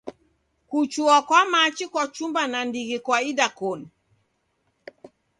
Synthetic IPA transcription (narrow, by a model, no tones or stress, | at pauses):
kut͡ʃuakwamat͡ʃikwat͡ʃumbanandiɣikwaidakɔni